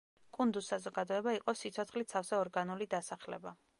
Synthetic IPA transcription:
kʼund̪usːazɔɡad̪ɔɛbaiqʼɔsit̪sʰɔt̪sʰχlit̪sʰafsɛɔɾɡanulid̪asaχlɛ̰ba

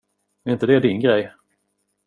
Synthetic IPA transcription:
ɾɪnt̪əd̪ɛːd̪ɪnɡɾɛj

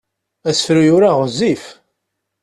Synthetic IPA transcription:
æsfɾujʊɾaʁəzif

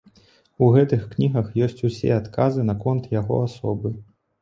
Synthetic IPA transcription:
uɣɛt̪ɨxknʲiɣɐxjɔsʲt͡sʲusʲɛ̰at̪kʰazɨnɐkɔnt̪jaɣɔ̰asɔbɨ

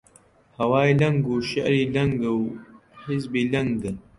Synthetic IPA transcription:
hɐwaːjlɐŋɡuːʃɐ̰ʔɾiːlɐŋɡɨw | ħɪzbiːlɐŋɡd̪ɨ

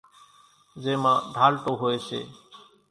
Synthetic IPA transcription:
zeːmãːɖʱaːlʈoːɦoːeːsʰḛː

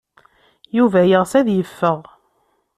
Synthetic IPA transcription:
juvæjəʁsæðjəfːəʁ

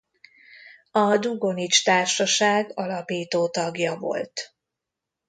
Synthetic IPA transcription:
ɒd̪uɡo̞nit͡ʃt̪aːrʃɒʃaːɡɒlɒpiːt̪oːt̪ɒɡjɒvo̞̰lt̪

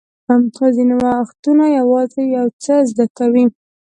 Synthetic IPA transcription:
amxozinawaːxt̪unajawɑzejawt͡səzd̪akawi

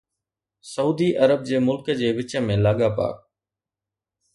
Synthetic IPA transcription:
səuːd̪iːʔəɾəb̚d͡ʑeːmʊlkəd͡ʑeːʋɪt͡ʃəmẽːlaːɠaːpa̰ːk̚

